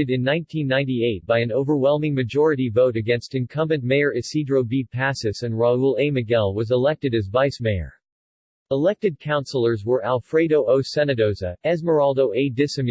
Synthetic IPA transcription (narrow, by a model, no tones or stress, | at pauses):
ɨɾɨ̃nːãɪ̃ntʰĩnːãɪ̃ntieɪt̚b̥aɪɨ̃noʊvə˞wɛlˠmɪ̃ŋmɨd͡ʒɔɹɨɾivoʊɾɨɡɛ̃nstɨ̃nkʰʌ̃mbɨ̃nmeɪə˞ɨsidɹoʊbipʰæsɨsɨ̃nɹɑulˠeɪmɨɡɛlˠwʌzəlɛk̚tɨɾɨzvaɪsmeɪə̰˞ | əlɛk̚tɨd̚kʰãʊ̃nsl̩ˠə˞zwə˞ʔælˠfɹeɪɾoʊʔoʊsɛnɨdoʊzɨɛzmə˞ɑlˠdoʊʔeɪdɪsɨ̃m